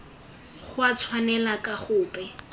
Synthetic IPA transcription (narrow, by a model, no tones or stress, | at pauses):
χʊat͡sʰwanɛlakʼaχʊːpʼɛ